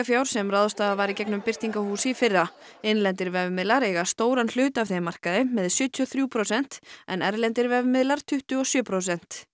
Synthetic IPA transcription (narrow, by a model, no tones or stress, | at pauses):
afjawɾ̥sɛmraðɔst̪aːðavaɾicɛknʏmpɪr̥t̪iŋkahuːsɪfɪrːa | ɪnlɛnt̪ɪɾvɛvʏmɪðlaɾeːɣast̪oːwɾanl̥ʏːt̪avθemar̥kaðɪmɛðsjʏːt̪ʰiɔθɾjuːpʰɾosɛn̥t̪ɛnɛɾlɛnt̪ɪɾvɛvʏmɪðlaɾ̥t̪ʰʏht̪ʏɔsjœːpʰɾos̬ɛn̥t̪